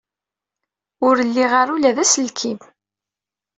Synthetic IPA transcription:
ʊɾəlːiʁaɾulæðæslkʰim

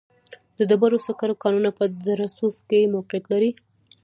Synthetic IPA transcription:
d̪əd̪əbaɾosakaɾokɑnunapəd̪aɾasufkemaqjat̪laɾi

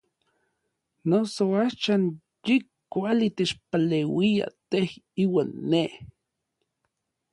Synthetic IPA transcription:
nosoaʃan | ji | kːʷalit̪et͡ʃpalewia̰t̪ehiːwaːnːeh

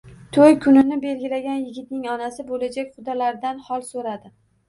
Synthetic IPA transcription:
t̪ʰojkʰʊnɪnɪbe̞lɡʲɪlaɡʲanjɪɡʲɪt̪̚nɪŋɒnasɪbolad͡ʒakʲχʊd̪ɒlaɾd̪anhɒlˠsoɾad̪ɪ

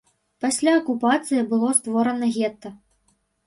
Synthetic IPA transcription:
pasʲlʲaɐkupat̪sɨjɐbɨlˠɔst̪vɔɾɐnɐɣʲɛt̪ːɐ

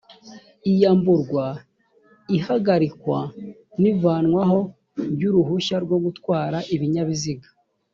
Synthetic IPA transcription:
ijaːmbuɾɡwa | ihaɡaɾikwa | nivaːnŋwaɦo̞ | bɟuɾuhuʃaɾɡwo̞ɡutwaːɾaʔiβiɲaβiziɡḁ

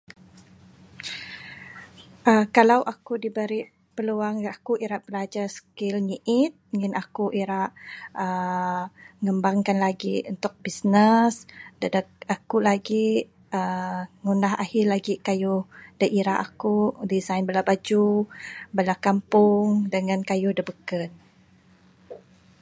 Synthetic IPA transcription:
ʔəkalawʔakudibəɾiʔ | pəluaŋakuʔiɾaʔb̥əlad͡ʒasə̥kɪlɲiʔɪt̪̚ŋənakuʔiɾaʔə | ŋəmbaŋkanlaɡiunt̪ʊk̚bisnəsdədəakulaɡi | əŋunaɦahɪlaɡikajʊhdəʔiɾaʔakudizajnbəlabad͡ʒubəlakampʊŋdəŋankajʊhdəbəkət̪̚

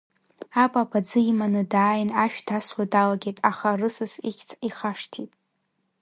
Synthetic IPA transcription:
apʼapʼad͡zɨimanɨdaːjnaʃᶣdʰaswadalaɡʲejtʼaχarɨsɨsḭkʲt͡sʰʼiχaʂtʰitʼ

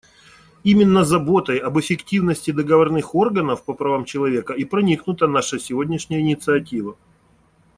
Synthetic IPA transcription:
imʲɪnːəzɐbo̞t̪əjɐbɨfʲɪktʲivnəsʲtʲɪd̪əɡəvɐrnɨxo̞rɡənəfpəpɾɐvamt͡ɕɪlˠɐvʲe̞kəipɾɐnʲiknʊt̪ənaʂɨsʲɪvodʲnʲɪʂnʲɪjəɪnʲɪt̪sɨɐtʲivə

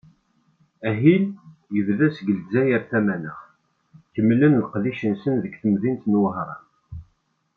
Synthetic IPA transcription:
æɦiljəvðæsɡəlzæjəɾθæmænəʁ | çəmːlənləqðiʃənsənðəɡθəmðint̪nwəɦɾˤɑ̰n

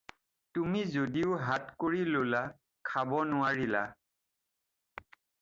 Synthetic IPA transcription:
tumizodiʊɦatkoɹilola | kʰabɔnʊaɹila̰

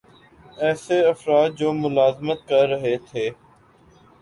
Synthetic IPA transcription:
ɛːseɐfɾaːd̪̚d͡ʑoːmʊlaːzmət̪̚kɐɾːəɦet̪ʰeː

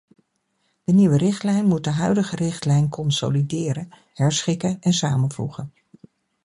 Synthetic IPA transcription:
d̥əniʋərɪχtlɛjnmut̚dəɦœɥdəχərɪχtlɛjnkɔnso̰lidɪːɾən | hɛɹsχɪkənɛnsaːmənvṵχən

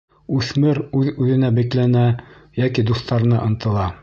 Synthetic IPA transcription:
ʉθmɘɾʉðʉðɘ̆næbiklænæ | jækid̪uθt̪ɑɾɤ̆nɑ̰ʔɤ̆nt̪ɤ̆lˠɑ

